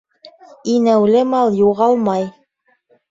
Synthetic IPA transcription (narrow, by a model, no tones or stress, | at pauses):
inæwlɘmɑlˠjuʁɑlˠmɑj